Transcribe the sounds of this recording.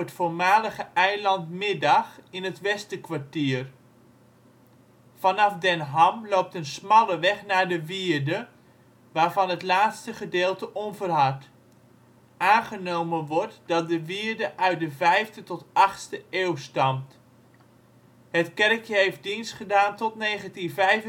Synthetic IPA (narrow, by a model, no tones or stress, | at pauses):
ətfoɹmaːləχəʔɛjlɑntmɪdɑχɪnətʋɛstəkʋaɹtiːər | fɑnɑfdɛnɦɑmloːp̚tənsmɑlˠəʋɛχnaːɹdəʋiəɹdə | ʋaːɹvɑnɦətlaːtstəχədeːlˠtəʔonvərɦɑt | aːnχənowmənʋɔɹtdɑt̚dəʋiəɹdəʔœɥt̚dəvɛjftətɔtɑχtstəʔeːwstɑmt | hətkɛrkʰjəɦejf̚dinstχədaːntɔtneːχəntinvɛjvə